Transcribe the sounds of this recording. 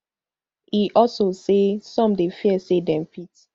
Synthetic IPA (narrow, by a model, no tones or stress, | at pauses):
iʔɔsosesɔ̃mdefiɛsedɛ̃mfit